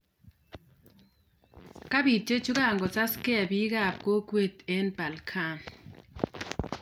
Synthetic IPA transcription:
ka˦bi˨t͡ʃe˦t͡ʃu˦ka˦˨ŋɡɔ˨t͡sa˦ske˦a˨bi˦ɡa˦˨p̚ko˦kwe˦˨t̪e˦nba˨lkʰa˦˨n

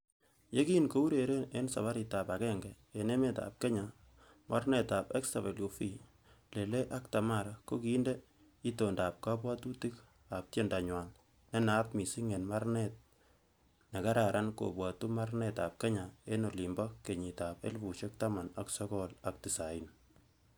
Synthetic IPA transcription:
je˦kiː˦nko˦u˦ɾeɾe˦ne˦nsa̰˨βa˦ɾita˨pa˨kɛŋɡɛ | ene˦me˦ta̰p̚ke˦ɲa | mʔa˦rnɛ˨tapɛ˦ksa˨βe˨lo˨fi | le˨le˦ʔa˦kta˨ma˨ɾako˦ki˦nde | i˦tondaːp̚ka˦p̬wa˦tu˦tik | ap̚tje˦nda˨ɲwa˨l | ne˦na˦pmi˨si˦ŋe˨nma˦ɾnɛt̚ | ne˨ka˦ɾaɾʔanko̰pwa˨tu˦ma˦rnɛta̰p̚ke˦ɲae˦no˨li˨mbakkːe˨ɲi˨tapḛ˦lpu˨ʃek̚tama˨na˨ksɔ˦kɔla˨k̚ti˨sain

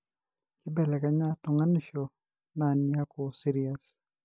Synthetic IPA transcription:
kɪ˦bɛ˨lɛ˨ka˦ɲa˦tʊ˨ŋa˦niʃɔ˨ | nanja˦ko˨si˦ɾias

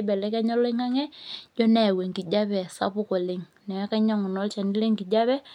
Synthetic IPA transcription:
bɛ˨lɛ˦kɛ˦ɲɔ˦lo˦ɪ˦ŋa˦ŋɛ˦d͡ʒɔ˦nɛ˨wɛ˨ŋɡi˨d͡ʒa˦pɛ˨sa̰˦pʊ˦ko˨le˨ŋ | nɛ˨˦ka˦ɲa˦˨ŋʊ˨nɔ˦lt͡ʃa˨ni˦le˦ŋɡi˨d͡ʒa˦βɛ˦

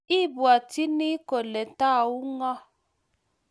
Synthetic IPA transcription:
i˦˨bwa˨ti˦ni˦ko˨lɛ˨n˨ta˦˨u˦ŋɔ˦

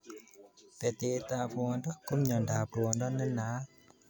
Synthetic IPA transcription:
pɛ˨t̪e˧t̪a˧fu˧ɔ˧ndɔ˦ku˦˥mɲɔ˨nda˨pɾu˨˧ɔ˧ndɔ˦nɯ˦˥nːa˨˦

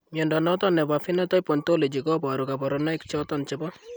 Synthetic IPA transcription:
mɔndɔnɔt̪ɔ˦nɛ˨ba˨fi˦nɔt̪ɔ˦jpɔ˨nt̪o˦le˨d͡ʒi˨kɔ˦ba˨ɾuka˨bɔ˨ɾɔna˦ɪ˦kt͡ʃɔ˦t̪ɔnt͡ʃebɔ˦

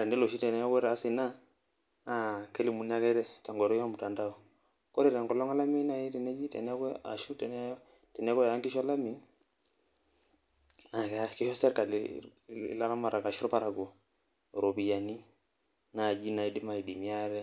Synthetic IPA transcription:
a˨ɾɛ˨ndɛ˦lo˨ʃi˦tɛ˨nɛ˦ɔ˦kwɛ˦ɾa˨si˨naː˦˨ | kɛ˦li˨mu˨n˦a˦kɛ˦ɾɛ˦ta˨ŋɡɔ˨ɾɔ˦ɔ˦mu˨ta˨nda˦ɔ˨ | kɔ˦ɾɛ˨ɾa˨ŋɡɔ˨lɔ˦ŋa˦la˦mi˦na˨i˦tɛ˨nɛ˦d͡ʒi˦tɛ̰˨nɛ˦kɛ˦a̰˨ʃu˦tɛ˨n˦ | tɛ˨nɛ˦kʷwɛ˦˨a˦ŋɡɪ˦ʃa˦la˦mi˨n | a˨kki˦ʃɔ˦sɛ˦ɾka˨l̰ | la˦ɾa˦ma˨ɾa˨ka˨ʃu˦ɾɔ˦pa˨ɾa˨ɡu˨ | ɾo˨bi˨ja˨ni˦ | na˨d͡ʒi˦na˨i˦di˦ma˨i˨di˨mi˦a˦ɾɛ˦

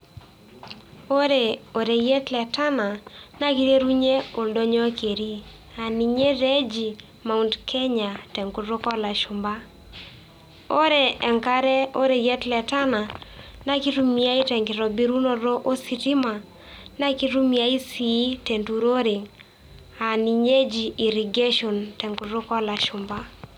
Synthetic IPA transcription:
o˦ɾe˨o˨ɾe˨jɛ˦tlɛ˨ta˦na˨na˦ki˦ɾe˦ɾu˦ɲe˦o˨ldɔ˦ɲɔ˦ke˨ɾi˦ | a˨ni˨ɲe˦ɾe˦d͡ʒi˨ | ma˨u˨ndkʰɛ˦ɲa˨tɛ˨ŋku˦tɾo˦kɔ˦la˨ʃʊ˨mba˦ | o˦ɾe˨ɛ˨ŋka˦ɾɛ˦o˦ɾe˨jɛ˦tlɛ˨ta˦na˨na˦ki˦ɾu˦mi˦a˦i˦tɛ˨ŋɡɪ˨ɾɔ˨bi˦ɾu˦nɔ˨ɾɔ˦ʔo˦si˨ti˦ma˨ | na˦ki˦ɾu˦mi˨a˦i˦si˨˦te˨ntu˨ɾo˦ɾɪ˨ŋ | a˨ni˨ɲe˦d͡ʒiː˨ɾi˨ɡe˦ʃo˨ntɛ˨ŋku˨˦ɾo˦kɔ˦la˨ʃʊ˨mba˦

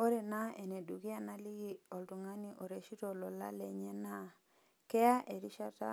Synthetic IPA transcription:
o˦ɾe˨na˦e˨ne˨du˨ki˦a˦na˦li˦ɡi˦o˨ltu˨ŋa˦ni˦ʔo˨ɾe˨ʃi˦to˨lɔ˨la̰˦le˨ɲe˦na˦ | kɛ˦a˦ʔe˨ɾi˦ʃa˦ta̰˦

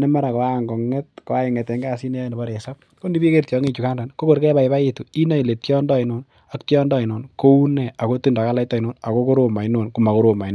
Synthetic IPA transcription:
ne˦ma˦ɾa˨ko˨aŋɡo˨ŋe˦t̚ko˦a˦iŋe˨te˨ŋɡa˦si˦ne˦ne˨bɔ˦ɾe˨sa˦p̚ | ko˦ndi˦bi˦ke˦rtjɔ˨˦ŋe˦t͡ʃu˨ka˦ndɔ˨nko˦ko˨ɾkɛ˦ba˨iba˦itu˨i˦na˦i˨le˨tjɔ˦ndɔ˦i˨no˨n | a˦ktjɔ˦ndɔ˦i˨no˨nko˦u˦ne˨a˨ko˦ti˦nda˨ka˦la˦itːɔ˨i˨no˨na˨ko˦ko˦ɾo˨ma˨i˦no˨nku˨ma˨ko˦ɾo˨ma˨i˦no˨

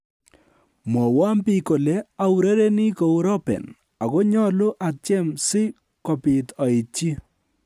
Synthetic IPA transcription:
mɔ˨wa˦mpi˨ko˨le˦a˨wu˨ɾe˦ɾe˦ni˦ko˨u˦ɾɔ˦pɛ̰˨n | a˨kɔ˦ɲɔ˦lʊ˦ʔa˨t͡ʃɛ˦msɪ˦ | kɔ˨pɪ˨tɔ˨i˨t͡ʃi˦

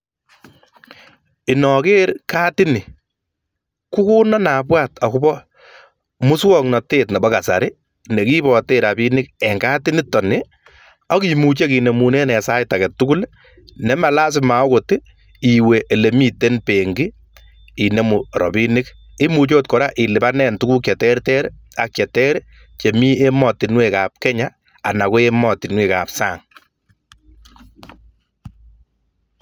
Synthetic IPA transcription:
ɪ˨nɔ˨keː˦ɾkaː˦tɪ˦nɪ˨ | ku˦ku˦nɔ˦na˨pwaː˦˨ta˨ku˦bɔ˦ | mʊ˦swɔ˦˨ŋnɔ˨te˦tnɛ˨bɔ˦ka˨sa̰˨ɾɪ˦ | ne˨ki˦bɔ˨te˦ɾa˨bi˦nɪ˦kɛ˨ŋɡa˦tɪ˦nɪ˦tɔ˨nɪ˦ | ɔ˦ki˨mu˨t͡ʃe˦ki˨ne˨mu˨ne˦nɛ˨sa˦jta˨kɛ˨tːu˦ku˦l | nɛ˨˦ma˨la˦s̬ɪ˦ma˨ɔ˦ko˨tɪ˦ | i˨we˨ʔe˨le˨mi˦te˦npe˨ŋɡi˦ | i˨ne˨mu˨ɾɔ̰˨bi˦nɪ˦k | i˦mu˨t͡ʃo˦t̚kɔ˨ɾa˦ʔi˨lɪ˨ba˦nɛ˦ntu˦ku˦kt͡ʃɛ˨tɛ˦ɾtɛ˦ɾ | a˨k̚t͡ʃɛ˨tɛ˦ɾ | t͡ʃe˨mi˦e˦mɔ˨tɪ˨nwe˨ka˨p̚kɛ˦ɲa˦ | a˨na˨kʊ˦e˦mɔ˨tɪ˨nwe˨ka̰˨psa̰ː˨ŋ

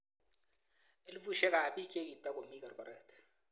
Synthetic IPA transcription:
e˦li˦vu˦˨ʃɛ˦ka˨ɓi˦kʰʼe˦ki˨tʼa˦ko˨mi˦ka˨ɾkɔ˨ɾɛ˨tɛ̥

